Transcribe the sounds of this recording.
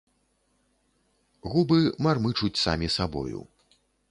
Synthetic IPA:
ɣubɨmarmɨt͡ʂut͡sʲsa̰mʲisabɔ̰jṵ

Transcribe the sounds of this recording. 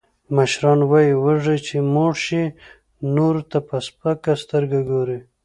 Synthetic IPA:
maʃɾɑnwɑjiwəʐet͡ʃemoɽʃi | noɾt̪apəspakast̪əɾɡaɡoɾi

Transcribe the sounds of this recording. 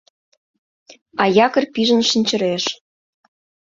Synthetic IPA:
ɑjɑkə̆rpiʒə̆nʃənʲt͡ɕə̆ɾeʃ

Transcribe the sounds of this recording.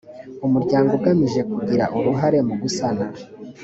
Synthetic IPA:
umuɾɟaːŋɡuɡamiʒe̞kuɡiɾa̰ʔuɾuɦaɾe̞muɡusana

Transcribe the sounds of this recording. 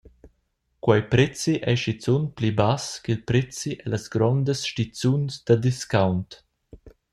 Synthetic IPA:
kwajpɾɛt͡siʔɛʃit͡sunplibaskilpɾɛt͡siʔɛlasɡɾɔnd̪əsʃtit͡sunsd̪ad̪iskawnt

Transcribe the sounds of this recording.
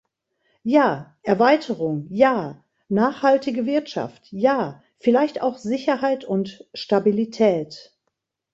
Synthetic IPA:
jaːʔɛɐvaɪtʰəʁʊŋjaː | naːχhaltɪɡəvɪɐtʃa̰ftjaː | fɪlaɪçta̰ʊxz̥ɪçɐhaɪtʰʊntʃtabilitʰɛːt

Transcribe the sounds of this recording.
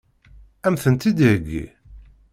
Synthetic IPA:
æmθənt̪id̪iəɡːḭ

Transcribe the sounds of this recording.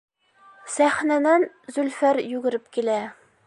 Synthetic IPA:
sæχnæd̪æn | zɵlfæɾjʉɡɘ̆ɾɘp̚kilæ

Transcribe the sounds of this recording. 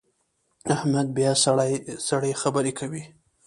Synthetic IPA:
ahmad̪̚bjɑsaasaɽajxabəɾekʰawi

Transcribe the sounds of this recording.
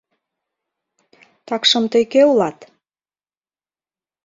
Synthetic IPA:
t̪ɑkʃɤ̆mt̪əjkeulɑt̪

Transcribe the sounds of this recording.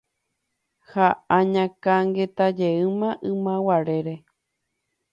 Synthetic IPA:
haãɲãkaŋɡet̪ad͡ʒeɨmãʔɨ̃mãwaɾe̞ɾe̞

